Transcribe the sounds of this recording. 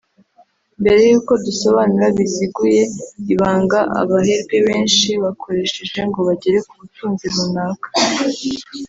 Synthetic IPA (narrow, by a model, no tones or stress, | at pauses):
mbe̞ɾe̞juːko̞duso̞βanuɾaβiziɡuje̞iβaːŋɡaʔa̰βaɦe̞ɾɡe̞βeːnʃiβakʰo̞ɾe̞ʃe̞ʒe̞ŋɡo̞βaɟeɾe̞kuβutuːnziɾunakḁ